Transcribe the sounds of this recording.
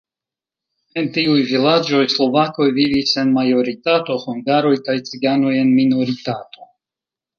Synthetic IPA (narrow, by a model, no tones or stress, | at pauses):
entiujvilad͡ʒo̞jslo̞vako̞jvivise̞nmajo̞ɾitato̞huŋɡaɾo̞jkajt͡siɡano̞je̞nminoɾitato̞